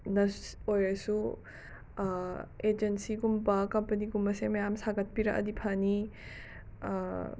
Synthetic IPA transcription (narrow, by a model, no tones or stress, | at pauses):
nɐojɐsu | ed͡ʒensiɡumbɐkɐmpɐniɡumbɐsemɐjamsaɡɐt̚piɾɐ̰kɐ̰dipʰani